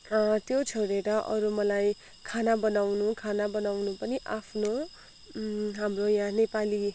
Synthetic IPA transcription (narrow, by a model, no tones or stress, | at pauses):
t̪jot͡sʰoɽeɾʌʔʌ̰ɾumʌlaj | kʰanabʌnawnukʰanabʌnawnupʌniʔapʰno | ɦamrojãnepali